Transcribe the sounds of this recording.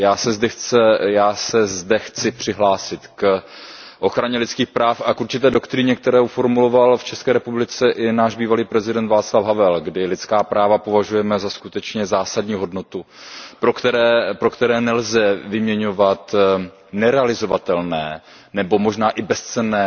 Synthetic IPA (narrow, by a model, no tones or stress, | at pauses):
jaːsɛzdɛxt͡sɛjaːsɛzdɛxt͡sɪpr̝̥ɪɦlaːsɪt̪k | ʔo̞xɾaɲɛlɪtt͡sskiːxpɾaːfʔakuɾt͡ʃɪt̪ɛːdo̞kt̪ɾɪɲɛk̚t̪ɛɾɛːufo̞ɾmulo̞valft͡ʃɛskɛːɾɛpublɪt͡sɛʔɪnaːʒbiːvaliːpɾɛzɪdɛnt̪vaːt͡slafɦavɛlɡdɪlɪt̪t͡skaːpɾʔaːvapo̞vaʒujɛmɛzaskut̪ɛt͡ʃɲɛzaːsadɲiːɦo̞dno̞t̪u | pɾokt̪ɛɾɛːpɾo̞kt̪ɛɾɛːnɛlzɛvɪmɲɛɲo̞vat̪ | nɛɾɛalɪzo̞vat̪ɛlnɛː | nɛbo̞mo̞ʒnaːʔɪbɛst͡sɛnɛː